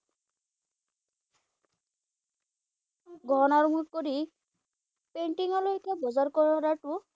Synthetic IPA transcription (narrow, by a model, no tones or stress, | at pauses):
ɡʱɔnaɾumukɔɾi | peɳʈiŋɔlojkʰabɔzaɾkɔɹɔɾaʈu